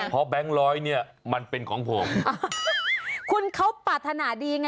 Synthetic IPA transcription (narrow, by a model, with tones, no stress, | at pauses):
pʰɔ˦˥bɛ˦˥ŋɾɔː˦˥jni˥˩ɐ | ma˧npe˧nkʰɔː˩˦ŋpʰo˨˩˦m | kʰu˧nkʰa˦˥wpaː˨˩t̪ʰːa˧naː˩˦diː˧ŋa˧